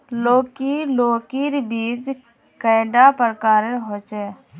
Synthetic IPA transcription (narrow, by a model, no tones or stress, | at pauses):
loːkiloːkiɾbiːd͡ʒ | kəːɖaːpəɾkaːɾeɦoːt͡ʃɛ